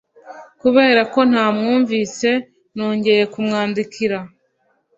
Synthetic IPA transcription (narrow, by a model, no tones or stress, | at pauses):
kuβe̞ːɾako̞n̥haːmŋuːɱviːse̞ | no̞ːɲɟe̞je̞kumŋaːndikiɾa